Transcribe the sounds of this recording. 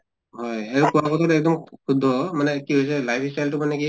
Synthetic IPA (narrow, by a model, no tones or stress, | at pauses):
ɦɔjaɹukuwakɔt̪ʰɔtɛk̚d̪ɔmkʰud̪ʱɔmanɛkiɦojs̬ɛlajpʰistajltʊmanɛki